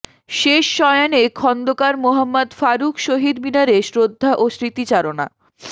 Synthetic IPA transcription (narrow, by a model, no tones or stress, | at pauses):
ʃeʃːɔeanekʰɔnd̪okaɾmoɦamːad̪faɾukʰʃoɦid̪binaɾeʃɾod̪ʱːaʔosɾit̪it͡ɕaɾona̰